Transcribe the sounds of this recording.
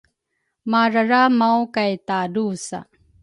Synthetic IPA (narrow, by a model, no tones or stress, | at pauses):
maɾaɾamawkajt̪adusa̰